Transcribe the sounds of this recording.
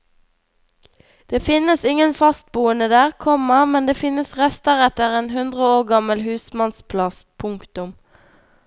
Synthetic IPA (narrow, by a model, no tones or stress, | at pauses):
d̪̥eːfɪnəsɪŋənfɑst̪̚buːənəd̪æːʁkʰɔməmɛnd̪eːfɪnəsʁɛst̪əʁɛt̪əʁeːnhʉnd̪ʁəoːʁɡɑməlhʉːsmɑnspʰlɑs | pʰʊŋkt̪ʊm